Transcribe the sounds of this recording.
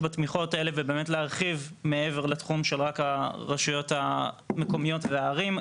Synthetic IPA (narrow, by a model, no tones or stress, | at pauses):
bat̪miχo̞tae̞le̞vebe̞ːmetleaʁχivmeeveʁlat̪χumʃelʁakhaʁaʃujo̞tha | meko̞mijo̞tveaːʁim